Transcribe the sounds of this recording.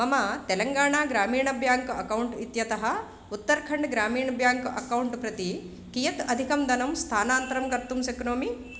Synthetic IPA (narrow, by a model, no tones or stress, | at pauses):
ɐmɐt̪ɛlɐŋɡaːɳaːɡɾaːmiːɳɐbʱjaːŋkɐkɐwuɳʈit̪jɐt̪ɐɦɐ | ut̪ːɐɾkʰɐɳɖɡɾaːmiːɳɐbʱjaːŋkɐ̰kɐwuɳʈpɾɐt̪i | kijɐt̪ɐd̪ʱikɐmd̪ʱɐnɐmst̪ʰaːnaːnt̪ɾɐmɡɐɾt̪ːumsɐknoːmi